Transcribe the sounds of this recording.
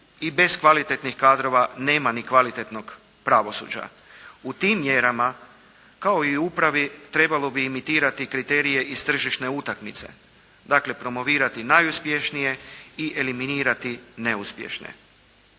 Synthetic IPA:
ibe̞skʋalit̪e̞t̪nixkaːd̪ɾo̞ʋane̞ːmanikʋalit̪et̪no̞ɡ | pɾaʋo̞sṵːd͡ʑa̰ | ut̪iːmːje̞ɾama | kao̞iupɾaʋit̪ɾe̞balo̞biːmit̪iːɾat̪ikɾit̪e̞ːɾije̞ʔist̪r̩ʒiʃt̪ne̞ut̪akmit̪se̞̰ | d̪akle̞pɾo̞mo̞ʋiːɾat̪inajuspje̞ʃnije̞iʔe̞liminiːɾat̪ine̞uspjḛʃnḛ

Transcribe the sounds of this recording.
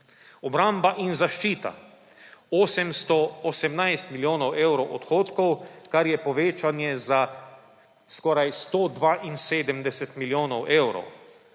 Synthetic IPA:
ɔbɾambaʔinzaʃt͡ʃiːt̪a̰ | oːsɛmst̪ɔɔsɛmnajst̪miljoːnɔweːwɾɔwʔɔt̪xoːt̪kɔwkaɾjɛpɔʋeːt͡ʃanjɛza | skɔːɾajst̪oːd̪ʋaːʔinseːd̪əmd̪ɛsɛt̪miljoːnɔwʔeːwɾɔ̰w

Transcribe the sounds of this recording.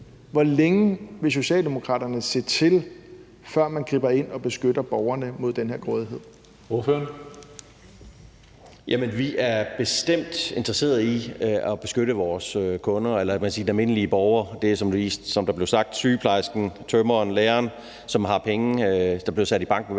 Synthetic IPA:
ʋɒleŋəʋe̝s̬o̝ɕɛ̰ːld̥e̝mo̝kʰʁɑ̰ːd̥ɐnəse̝ːt͡sʰe̝l | fɶɐ̰mænɡ̥ʁiːb̥ɐe̝n̰ɒ̽b̥e̝sɡ̥ød̥ɐb̥ɒʊɐnəmo̝ð̞ˠd̥enɦeɐɡ̥ʁɔðˠiɦe̝ð̰ˠ | o̝føɐn | jæmənʋiʔæɐb̥e̝sd̥em̰d̥e̝nd̥ʁɐse̝̰ːɐð̩ˠiɒ̽b̥e̝sɡ̥øɾəʋɒːsøkʰɔ̽nɐelɐkmækʰæsiːd̥enæme̝nəliəb̥ɒʊɐd̥e̝sɒ̽md̥uʋḭːsd̥sɒ̽md̥ɑ̈b̥le̝ʊsɑ̈ɡ̥̚d̥syːpʰlɑ̈ɪsɡ̥n̩t͡sʰømɐnleːɐːn | sɒ̽mɦɑ̈pʰeŋəd̥ɑ̈b̥li̝ɐsæd̥ib̥ɑ̈ŋ̰ɡ̥n̩

